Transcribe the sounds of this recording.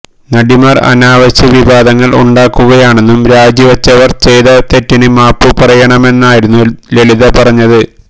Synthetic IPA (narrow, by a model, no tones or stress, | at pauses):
nɐɽimɐrɐ̰naːʋɐɕɐʋibaːd̪ɐŋːɐɭṵɳɖaːkːuɣɐjaːɳe̞nːumɾaːd͡ʑjiʋɐt͡ɕːɐʋɐrt͡ɕejðɐt̪e̞tːinɨmaːpːupɐrɐjɐɳɐme̞nːaːjiɾunːule̞ɭiðɐpɐrɐɲːɐðɨ